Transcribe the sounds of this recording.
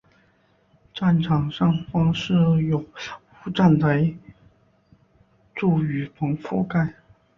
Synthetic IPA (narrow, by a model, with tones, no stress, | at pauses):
ʈ͡ʂa˥˩nʈ͡ʂʰɑ˨˩ŋʂɑ˥˩ŋfɑ˥ŋʂɻ̩˥˩jo˨˩ʊ | u˧˥ʈ͡ʂa˥˩nt̪ə˧˥ | ʈ͡ʂu˥˩y˧˥pʰɤ˧˥ŋfu˥˧ka˥˩ɪ